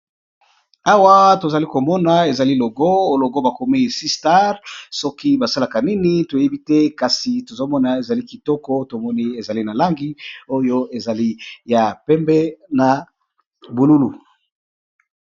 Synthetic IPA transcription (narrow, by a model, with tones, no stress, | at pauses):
a˦wa˦to˨za˨li˦ko˨mɔ˦na˨e˨za˨li˦lo˨ɡɔ˦lo˨ɡo˦ba˨ko˨mi˦˨si˦sta˦ʁsɔ˦ki˦ba˨sa˦la˨ka˨ni˦ni˦to˨je˦bi˦tɛ˦ka˨si˨to˨zo˦mɔ˦na˨e˨za˨li˦ki˨tɔ˦kɔ˦to˨mɔ˦ni˦e˨za˨li˦na˨la˦ŋɡi˦o˦jo˦e˨za˨li˦ja˨pɛ˦mbɛ˦na˨ | bu˨lu˦lu˨